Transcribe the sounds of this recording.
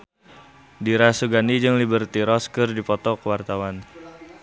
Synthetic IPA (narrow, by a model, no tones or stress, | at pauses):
diɾasuɡanid͡ʒɨŋlibərt̪iɾɔskərdipɔt̪ɔkəwart̪awan